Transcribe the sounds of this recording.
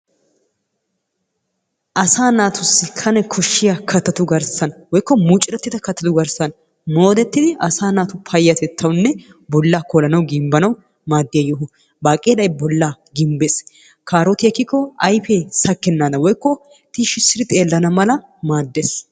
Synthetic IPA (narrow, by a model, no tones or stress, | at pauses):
ʔɐsaːnaːt̪ʊsːɪkʰɐnɛkʰɔʃːɪjakʰɐt̪ɐt̪ʊɡɐɾsɐnwɔjkːɔmut͡ʃʼɪɾɛt̪ːɪt̪ɐkɐt̪ːɐt̪ʊɡɐɾsɐn | mo̞ːd̪ɛt̪ːɪd̪ɪʔɐsaːnaːt̪ʊpʰɐjːɐt̪ɛt̪ʰːɐwnːɛ | bɔlːaːkolɐnɐwɡɪmbɐnɐw | maːd̪ːɪjɐjɔɦʊ | baːkʼeːlɐjbɔlːaːɡɪmbes | kʰaːɾɔt̪ɪɛkːɪkːɔɐjfeːsɐkːɛnːaːd̪ɐwɔjkːɔ | t̪iʃɪsːɪɾɪt̪ʼe̞ːlːɐnɐmɐlɐ | maːd̪ːeːs